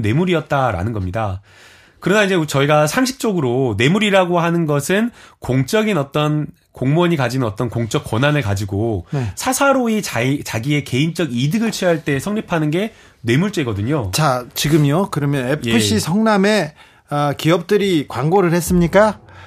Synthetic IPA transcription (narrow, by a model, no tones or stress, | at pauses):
ne̞muɾiʌt̚t͈aɾa̰nɯnɡʌmɲida | kɯɾʌnaind͡ʑet͡ɕʌiɡasʰaŋɕʰi̥k̚t͡ɕ͈oɡɯɾone̞muɾiɾaɡohanɯnɡʌsʰɯnkoŋt͡ɕ͈ʌɡinʌt͈ʌn | koŋmʌɲikad͡ʑinɯnʌt͈ʌnkoŋt͡ɕ͈ʌk͈wʌnanɯɭkad͡ʑiɡonsʰasʰaɾoit͡ɕat͡ɕaɡie̞ke̞int͡ɕ͈ʌɡidɯɡɯɭt͡ɕʰɥiʌɦaɭt͈e̞sʰʌŋɲipʰanɯnɡe̞ | ne̞muɭt͡ɕ͈eɡʌdɯɲot͡ɕat͡ɕiɡɯmjokɯɾʌmjʌnepʰɯɕ͈isʰʌŋname̞ | ʌkiʌp̚t͈ɯɾikwaŋɡoɾɯɭhes͈ɯmɲik͈a